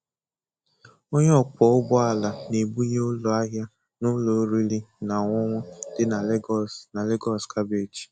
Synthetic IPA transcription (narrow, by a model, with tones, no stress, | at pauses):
o˦ɲe˦ɔ˦k͡pɔ˨ʊ˦bʊ˦a˦˨la˨ne˨bu˦ɲe˦ʊ˦lɔ˨a˦ɦja˦ | nʊ˦lo˨˦ɾi˦li˦na˨ŋʷɔ˦ŋʷɔ˦d̥ɪ˦na˨˦na˨le˦ɡɔ˦˨skʰa˦be˦˨t͡ʃi̥˨